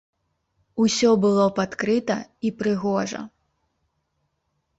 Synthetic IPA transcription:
usʲɔbɨlˠɔpat̪kɾɨt̪ɐipɾɨɣɔʐɐ̰

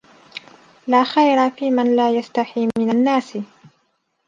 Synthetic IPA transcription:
laːxajɾafiːmanlaːjast̪aħiːmɪnanːaːsɪ

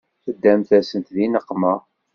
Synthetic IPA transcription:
θəd̪ːæmθæsənt̪ðinəqːmə

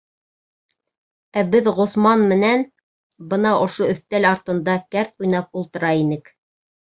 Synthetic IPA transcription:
æbɘðʁŏsmɑnmɘ̆næn | bɤn̪ɑʔŏʃoɵ̆θt̪ælɑɾt̪ɤ̆nd̪ɑkæɾt̪ujnɑp̚ulˠt̪ɤ̆ɾɑinɘk

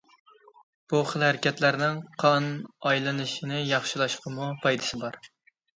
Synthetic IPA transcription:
b̥uχəlˠhæɾɪkʲʰɛt̪læɾnɪŋqʰɑnɑjlˠɨnɨʃinɪjɑχʃɪlˠɑʃqəmupʰɑjd̪ɨ̥sɪbɑɾ

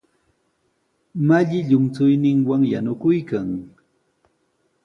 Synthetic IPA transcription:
maʎɪʎʊmt͡sʊjnɪŋwaŋjanʊkʊjkaŋ

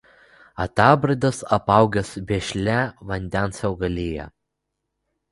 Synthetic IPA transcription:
ɐt̪ɑːbɾɐd̪ʲɐsɐpɑˑʊɡʲɛsbʲeːʃʲlʲæʋɐnʲd̪ʲɛnsjʲɛʊɡɐlʲeːjɛ̰

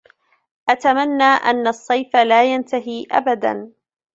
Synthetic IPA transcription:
ʔat̪amanːaːʔa̰nːasˤːɑjfalaːjant̪aɦiːʔa̰bad̪a̰n

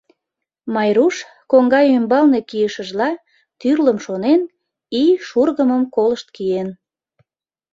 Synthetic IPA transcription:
mɑjɾuʃ | koŋɡɑjymbɑlnekijəʃəʒlɑ | t̪yrləmʃonen | iʃurɣəməmkoləʃt̪̚kijen

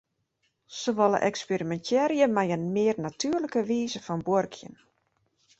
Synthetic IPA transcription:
soʋɔlˠə̰ʔɛkspeɾimɛntʰɛɾjəmajənmɪːərnatʰyərləkəʋiːzəfɔnborkʰjə̰n

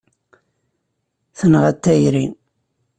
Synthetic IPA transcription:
θənʁæt̪ːæjɾin

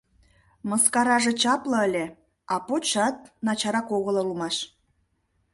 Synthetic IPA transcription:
məskɑɾɑʒet͡ɕɑplɤəlʲe | ɑpot͡ɕɑt̪̚nɑt͡ɕɑɾɑkoɣə̆lɤ̆lumɑʃ

